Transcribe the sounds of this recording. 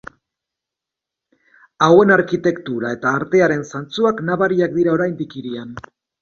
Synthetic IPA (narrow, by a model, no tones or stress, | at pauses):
awe̞naɾkit̪e̞kt̪uɾae̞t̪aːɾt̪e̞aɾe̞nsant͡suaknaβaɾiakd̪iɾao̞ɾajnd̪ikiɾian